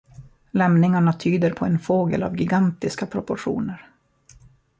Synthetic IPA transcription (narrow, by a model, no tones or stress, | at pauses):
lɛmnɪŋaɳat̪ʰyːd̪əɾpʰɔɛnfoːɡə̰la̰vɡɪɡant̪ɪskapʰɾɔpɔʂṵːnəɾ